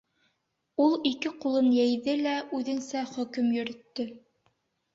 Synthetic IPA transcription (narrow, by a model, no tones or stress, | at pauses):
ulˠikɘqulˠɤnjæjðɘlæʔʉðɘ̆nsæχɵ̆kɘmjɵ̆ɾɵ̆t̪ːɵ